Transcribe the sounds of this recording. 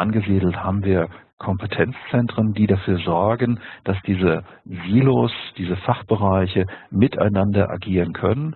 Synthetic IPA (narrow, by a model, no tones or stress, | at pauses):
ʔanɡəziːdl̩thaːbm̩viːɐkʰɔmpətʰɛnt͡st͡sɛntʁ̥əndiːdafyːɐzɔɐɡənd̥asd̥iːzəviːlosd̥iːzəfaχb̥əʁaɪçəmɪtʰa̰ɪnandɐʔa̰ɡiːʁənkʰœ̰nən